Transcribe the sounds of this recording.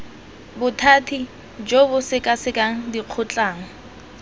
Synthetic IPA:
bʊtʰaːtʰi | d͡ʒobʊsɪkʼasɪkʼaŋ̩diq͡χʰʊt͡ɬʼaːŋ̩

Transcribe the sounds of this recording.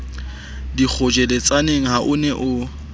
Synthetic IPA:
dik͡xʰʊd͡ʒɛlet͡sʼaneŋ̩ɦaʔʊnɛʔʊ

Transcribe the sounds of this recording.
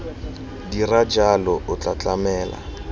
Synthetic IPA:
dirad͡ʒalɔʔʊt͡ɬat͡ɬamɛːla̰

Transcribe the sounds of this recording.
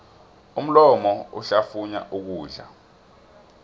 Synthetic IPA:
um̩lɔmɔṵɬafuɲa̰ʔuk̬uːɮa̰

